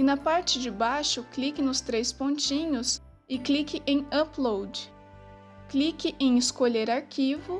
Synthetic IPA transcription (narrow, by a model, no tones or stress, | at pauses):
ɪnɐpaɾt͡ʃɪd͡ʒɪbajʃʊklikɪnʊst̪ɾespõnt͡ʃĩɲʊs | ɪklikɪʔẽj̃ɐplowd͡ʒɪ | klikɪʔẽj̃ɪskoʎeɾaɾkʲʰivʊ